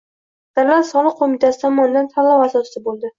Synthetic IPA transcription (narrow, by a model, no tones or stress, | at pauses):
d̪̥aɾlansɒlˠɨq̚ʰːomit̪ʰasɪ̥t̪ʰɒmɒnd̪ant̪ʰalˠːɒwasɒsɪbolˠd̪ɪ